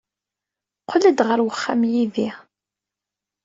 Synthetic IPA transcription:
qʰələd̪ʁəɾwəχːamjiði

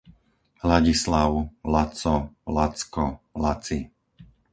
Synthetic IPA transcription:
laɟislaʊlat͡sɔlat͡skɔlat͡si

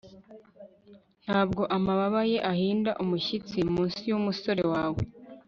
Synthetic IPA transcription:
n̥haːb̚ɡo̞ʔamaβaβaje̞ʔahiːndaʔumuçit͡simuːnsijumuso̞ɾewaːwḛ

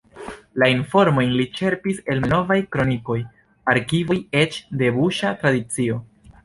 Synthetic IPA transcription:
lainfo̞ɾmo̞jnlit͡ʃe̞ɾpise̞lno̞vajkɾo̞niko̞j | aɾkivoje̞t͡ʃde̞buʃatɾadit͡sio̞

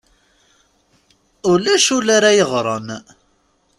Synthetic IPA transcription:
ʊlæʃʊlaɾajəʁɾˤən

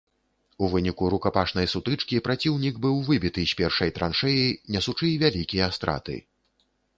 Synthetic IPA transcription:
uvɨnʲikuɾukapaʂnɐjsut̪ɨt͡ʂkʲipɾat͡sʲiwnʲiɡbɨwvɨbʲit̪ɨsʲpʲɛrʂɐjt̪ɾanʂɛjinʲɛsut͡ʂɨvʲalʲikʲijɐast̪ɾa̰t̪ɨ̰

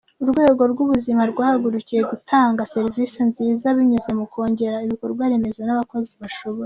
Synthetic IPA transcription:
uɾɡwe̞ːɡo̞ɾɡuβuzimaɾɡwaːhaɡuɾucije̞ɡutʰaːŋɡase̞ɾvisenziːzaβiɲuze̞mukʰo̞ːɲɟe̞ɾaiβikoɾbɡwaɾeme̞zwenaβako̞ziβaʃo̞βoɾ

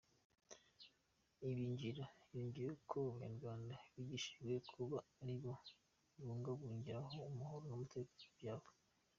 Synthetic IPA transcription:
iβiɲɟiɾajoːɲɟijekʰouβɲa̰ɾɡwaːndaβiɟiʃiʒwe̞kʰuβaːɾiβo | iβuːŋɡaβuːɲɟiɾaɦoumuhoɾonumutʰekajaːβe

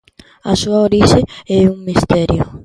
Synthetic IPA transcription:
a̰suaoɾisɪɛuŋmist̪ɛɾjʊ

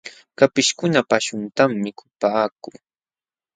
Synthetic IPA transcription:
kapɪʃkʊnapaʃʊnt̪amːɪkʰʊ̥paːk̚ʊː

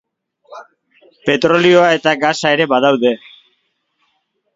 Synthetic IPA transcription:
pe̞t̪ɾo̞lio̞ae̞t̪aɡasae̞ɾe̞βaðawðe̞

